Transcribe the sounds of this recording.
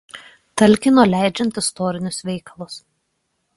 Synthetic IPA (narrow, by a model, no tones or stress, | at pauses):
t̪ɐlʲˑkʲɪnoːlʲæˑɪd͡ʒʲɛnʲˑt̪ɪst̪ɔːɾʲɪnʲʊsʋʲɛɪkɐlˠʊs